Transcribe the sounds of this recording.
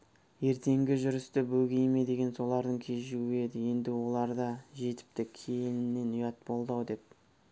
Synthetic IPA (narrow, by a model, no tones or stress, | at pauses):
je̞ɾt̪e̞ŋɡʲɪʒʏɾɪst̪ɪbɵɡʲe̞jme̞d̪e̞ɡʲe̞nso̞lˠɑɾd̪əɴkʲʰe̞ʒuwɪe̞d̪ɪje̞nd̪ɪwo̞lˠɑɾd̪ɑʒe̞t̪ɪ̥p̚t̪ɪkʲʰe̞jnɪnːe̞nʊjɑt̪̚bo̞lˠd̪ɑwd̪e̞p̚